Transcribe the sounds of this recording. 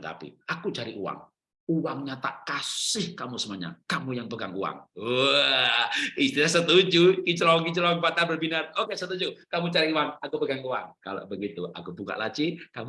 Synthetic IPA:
t̪a̰pḭakut͡ʃaɾiʔuwa̰ŋ | uwaŋɲat̪a̰ʔkasɪhkamusəmaɲa̰kamujaŋpəɡaŋṵa̰ŋo | ist̪ilahsət̪ud͡ʒukit͡ʃəloɡit͡ʃəloŋpat̪abərbinanokesət̪ud͡ʒukamut͡ʃaɾiuwaŋakupəɡaŋuwa̰ŋka̰lo̰ʔbəɡit̪uʔa̰kubuka̰ʔlat͡ʃikamu

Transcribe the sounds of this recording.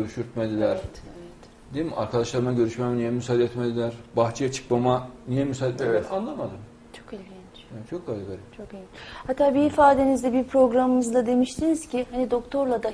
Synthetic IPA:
øɾyʃyɾt̪̚med̪ilʲæɾevɛt̪ | d̪eima̰ɾkʰad̪aʃlˠaɾɯmaɟøɾyʃmamɛnijɛmysaːd̪ɛt̪med̪ilʲæɾbaxt͡ʃʰijat͡ʃʰɯ̥kmamanijɛmysaɛanlˠamad̪ɯm | t͡ʃʰo̞kalʲfɟʲɛnt͡ʃt͡ʃʰok̚ɡalʲiɡalʲit͡ʃʰo̞kejihat̪ʰːaːbiːfaːd̪e̞nizd̪ɛbiɾpʰɾo̞ɡɾamɯmɯzd̪ˠad̪e̞miʃt̪ʰiniz̥cʰiɦanid̪o̞kt̪ʰo̞ɾlˠad̪a

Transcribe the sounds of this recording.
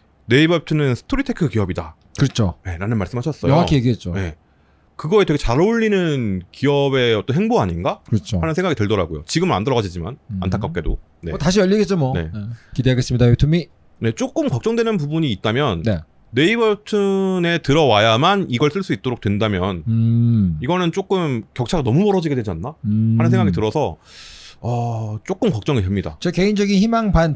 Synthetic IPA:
ne̞ibʌtʰɯnɯnsʰɯ̥tʰoɾitʰekʰɯkijʌbida | kɯɾʌt͡ɕʰoje̞ɾanɯnmaɭs͈ɯmɦaɕʰʌs͈ʌjʌoŋakʰijeɡiɦet͡ɕ͈one̞ | kɯɡʌetwe̞ɡet͡ɕaɾoʎːinɯnkijʌbe̞ʌt͈ʌnɦheŋboaɲinɡakɯɾʌt͡ɕʰohanɯnsʰeŋɡaɡiteɭdʌɾaɡojo̰t͡ɕiɡɯmɯɾa̰ndɯɾʌɡad͡ʑid͡ʑima̰na̰ntʰak͈ap̚k͈e̞do | ne̞taɕ̬ʰijʌʎːiɡet͡ɕ͈omwʌne̞̰kideɦaɡes͈mɲidajutʰumi | ne̞t͡ɕ͈ok͈ɯmkwak̚t͡ɕ͈ʌŋdwenɯnp̬ubuɲiːt̚t͈amjʌnneː | e̞ibʌɭtʰɯne̞tɯɾʌwajamaniɡʌɭs͈ɯɭs͈uit̚t͈oɾok̚t͈we̞ndamjʌn | iɡʌnɯnt͡ɕ͈ok͈ɯmkjʌk̚t͡ɕʰaɡanʌmumʌɾʌd͡ʑiɡedwe̞d͡ʑianːahanɯnsʰeŋɡaɡitɯɾʌsʰʌ | ʌt͡ɕ͈ok͈ɯmkwak̚t͡ɕ͈ʌŋidwe̞mɲida̰t͡ɕeke̞ind͡ʑʌɡinçimaŋban

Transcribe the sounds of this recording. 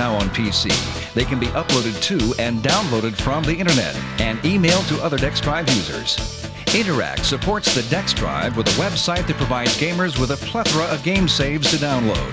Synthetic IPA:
aʊə̃npʰisḭ | ðeɪkɨ̃nbiʔʌploʊɾɨd̚tʰʉɨ̃ndãʊ̃nloʊɾɨd̥fɹʌ̃mðiɪ̃ɾ̃ə˞nɛ̰ɾɨ̃nimeɪlˠd̚tʰɨʔʌðə˞dɛksdɹaɪvjʉzə̰˞z̥ | ɪ̃ɾ̃ə˞æ̰k̚tsɨpʰɔɹtsðɨdɛksdɹa̰ɪvwəðəwɛbsaɪt̪̚ðɨt̚pʰɹ̥ɨvaɪdzɡẽɪ̃mə˞zwəðəpʰl̥ɛθɹəʔʌvɡẽɪ̃mseɪvz̥tʰɨdãʊ̃nloʊd̥̚

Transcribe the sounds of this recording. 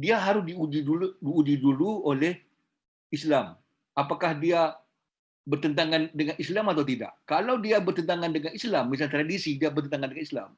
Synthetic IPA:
diaɦaɾʊsdiudiuudiudihduluolɛh | islam | ʔapakahdia | bərt̪ənt̪aŋandəŋanislamat̪̬awt̪ida̰ʔkalawdiabərt̪ənt̪aŋandəŋanislamːis̬alt̪ɾadisidiabərt̪ənt̪aŋandəŋanisla̰m

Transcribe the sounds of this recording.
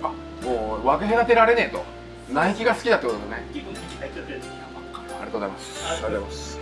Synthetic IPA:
a | moːβakeɦenat̪e̞ɾaɾe̞ne̞t̪o | naikʲiɡasɨ̥kʲid̪at̪ːekot̪od̪ne | a̰ɾḭat̪oːzaimasɨ̥oozaimas

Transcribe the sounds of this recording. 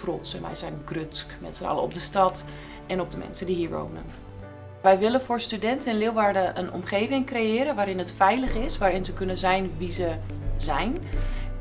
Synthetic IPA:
trɔtsənʋɛ̰jzɛjnɡrøskmɛ̰tsənɑ̰ləɔ̰b̚dəstɑt | ɛnɔb̚dəmɛ̰nsəndihiːɹʋo̰wnə̰n | ʋɛjʋɪlənfʊːɹstydɛntəɛnlɪːlˠʋaːɹdəʔənɔ̰mχejvɪŋkrejɪːɾənʋaːɾɪnɦətfɛjləχɪsʋaːɾɪnzəkɵnənzɛjnʋizə | zɛjn

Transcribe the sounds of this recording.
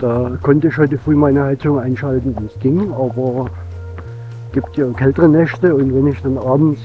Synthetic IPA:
d̥aːkʰɔntəɪçhɔʏtəfʁ̥yːmaɪnəhaɪt͡sʊŋʔaɪnʃaltn̩voːsɡ̥ɪŋʔaːbɐ | ɡ̥iːptjaːkʰɛltəʁənɛʃtəʊntvɛnɪçd̥anʔaːbm̩s

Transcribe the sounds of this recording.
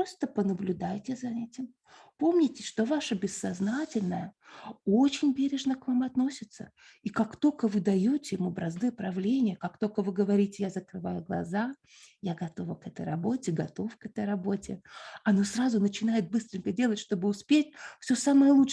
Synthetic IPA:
ost̪əpənəblʲʊd̪ajtʲɪzɐɛtʲɪm | po̞mnʲɪtʲɪ̥ʂt̪o̞vaʂəbʲɪsːɐznatʲɪlʲnəjəot͡ɕɪnʲbʲeɾʲɪʐnəkvamɐt̪no̞sʲɪt̪sə̰ | ikakt̪o̞lʲkəvɨd̪ɐjotʲɪɪmubɾɐznɨjəpɾɐvlʲenʲɪjəkak̚t̪o̞lʲkəvɨɡəvɐɾʲitʲɪjazəkɾɨvajʊɡlˠɐ̰za | jaɡɐt̪o̞vəkɛt̪ə̰jɾɐbo̞tʲɪɡɐt̪o̞fkɛt̪əjrɐbo̞tʲɪɐno̞srazʊnət͡ɕɪn̪ajɪt̪̚bɨst̪ɾʲɪŋʲkədʲe̞lˠətʲʂt̪o̞bɨʊspʲetʲfsʲosaməjəlˠu

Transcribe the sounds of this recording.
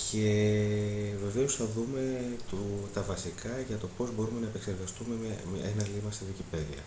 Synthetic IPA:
cʰe | ve̞ve̞osθɐðume̞t̪ot̪ɐvɐsikɐʝɐt̪o̞po̞zbo̞ɾume̞nɐepe̞kse̞ɾɣɐst̪ume̞mɐmenɐlimɐst̪iðicipe̞ðiɐ̰

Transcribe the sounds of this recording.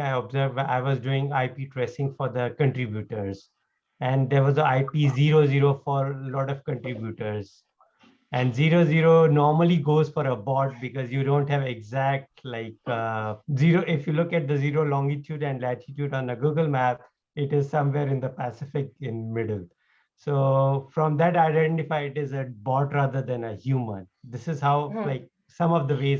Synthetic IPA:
aɪɔbzəɾʋa̰ɪʋɔzɖuːɪ̃ŋaɪpiːʈɾɛsɪ̃ŋɡfɔɾd̪əkə̃ɳʈɾɪbjuːʈəɾz | ɛ̃ɳɖd̪eːɾʋɔzəaɪpiːziːɾoːziːɾofɔɾlɔːʈɔʋkə̃ɳʈɾɪbjuʈəɾz | ɛ̃ɳɖziːɾoːziːɾonɔːɾməliɡoːzfɔɾəbɔːʈ̚bɪkɔzjuɖõːɳʈhæʋeɡzæk̚ʈlaɪkː | ziɾoːʔɪfjulʊkæʈ̚d̪əziːɾoːlɔ̃ŋɡɪʈjuːɖɛ̃ɳɖlæʈʰɪʈjuːɖɔ̃nəɡuːɡəlmæp̚ | ɪʈɪzsʌ̃mʋeːɾɪ̃nd̪əpæsɪfɪk̚ɪ̃nmɪɖl | soːfɾɔ̃md̪æʈaɪɖɛ̃ɳʈɪfaɪɪʈɪzəbɔːʈɾad̪əɾd̪ɛ̃nəhjuːmə̰̃nd̪ɪsɪzhaʊlaɪk̚ | sʌ̃mɔʋd̪əʋeːz

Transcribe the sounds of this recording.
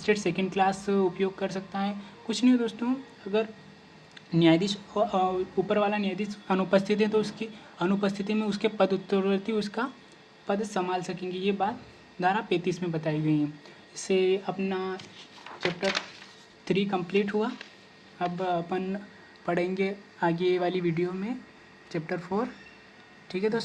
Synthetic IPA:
sʈeːʈsɛːkə̃ɳɖ̚klaːsʊpjoːɡ̚kɐɾs̬ɐk̚t̪aɦɛ̃kʊt͡ʃʰnɐẽd̪oːst̪õ | ɐɡəɾ | njaːjd̪iʃ | uːpəɾʋaːlanjaːjd̪isɐnʊpəst̪ʰɪt̪ɦɛ̃t̪oʊski | ɐnʊpəst̪ʰɪt̪imẽʊskepɐd̪ʊt̪ːəɾɾt̪iʊska | pɐd̪sɐmaːlsɐkẽːŋɡijebaːt̪ | d̪ʱaːɾapeːt̪iːsmẽbɐt̪aːiɡɐiɦɛ̃ | ɪsːeɐpna | t͡ʃɛːp̚ʈəɾ | t̪ʰɾiːk̬ɐ̃mpleːʈɦua | ɐbɐpən | pɐɽ̤ẽːŋɡeaːɡeʋaːliʋiːɖijomẽ | t͡ʃɛːp̚ʈəɾpʰoːɾ | ʈʰiːkɦɛt̪o

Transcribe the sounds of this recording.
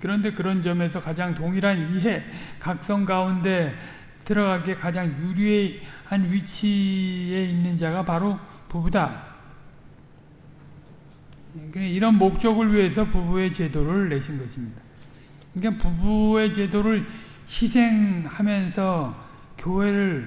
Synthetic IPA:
kɯɾʌnde̞kɯɾʌnd͡ʑʌme̞s̬ʰʌkad͡ʑaŋtoŋiɾaniɦe̞kak̚s͈ʌŋɡaunde̞ | tɯɾʌɣaɡekad͡ʑaŋjuɾie̞hanɥit͡ɕʰie̞inːɯnd͡ʑaɡapaɾo | pubuda | kɯniɾʌnmok̚t͡ɕ͈ʌɡɯɭɥiɦe̞s̬ʰʌpubue̞t͡ɕe̞doɾɯɭːe̞ɕʰinɡʌɕʰimɲida | kapubue̞t͡ɕe̞doɾɯɭ | ɕʰisʰe̞ŋhamjʌnsʰʌ | kjoɦe̞ɾɯɭ

